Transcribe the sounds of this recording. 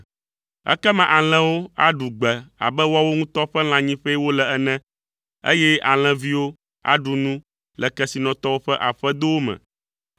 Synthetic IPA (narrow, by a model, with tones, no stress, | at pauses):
ɛ̰˦kɛ˦mã˨ʔa˨l̃ɛ̃˦wo˦a˦ɖu˨ɡ͡bɛ˨a̰˨bɛ˦wa˦wo˦ŋũ˦t̪ɔ˦ɸɛ˦l̃ã˨ɲĩ˦ɸɛ˦wo˦lɛ˨ɛ˦nɛ̃˦ | ḛ˦jɛ˦a˨l̃ɛ̃˨vi˦wo˦ | a̰˦ɖu˨nũ˦ | lɛ˨kɛ˦si˨nɔ̃˨t̪ɔ˦wo˦ɸɛ˦ʔa˨ɸɛ˦d̪o˦wo˦mɛ̰̃˨